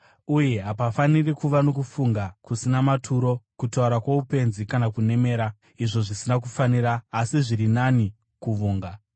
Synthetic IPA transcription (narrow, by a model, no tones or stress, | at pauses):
uje̞ɦapafanirikuʋano̞kufuŋɡakusinamatʰuɾo̞kutauɾakwaupe̞nzikanakune̞me̞ːɾa | iʐo̞ʐisinak̬ufaniɾaːsiʐiɾinani | kuʋuːŋɡa